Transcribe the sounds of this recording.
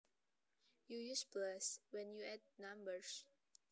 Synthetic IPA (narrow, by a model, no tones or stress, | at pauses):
jujusplaswɛ̃njuɛd̚nãmbəɹs